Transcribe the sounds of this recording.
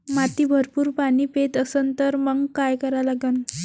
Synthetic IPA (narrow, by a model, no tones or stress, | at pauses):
mat̪iːbʱəɾpuːɾpaɽiːpet̪əsənt̪əɾməŋɡkajkəɾalaɡən